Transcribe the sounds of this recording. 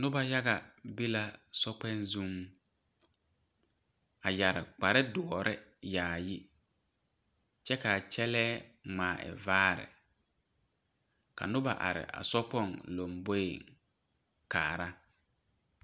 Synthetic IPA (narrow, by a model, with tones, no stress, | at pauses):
nʊ˦ba˦ja˦ɣa˨bi˦la˦sɔ˦k͡pɛ˦nzu˦m | a˨ja˨ɾɪ˨k͡pa˨ɾɪ˦dʊ˨ɔ˨ɾʔɪ˦jaː˨ji˦ | t͡ʃɛ˦ka˨t͡ʃɛ˦lɛː˦ŋ͡maː˨ɪ̰˨vaː˦ɾɪ̰˨ | ka̰˨nʊ˦ba˨ʔa̰˨ɾɪ̰˨ʔa̰˨sɔ˦pɔ˦˨ŋlo˨mbo˦jḛ˨ŋ | kaː˨ɾa˦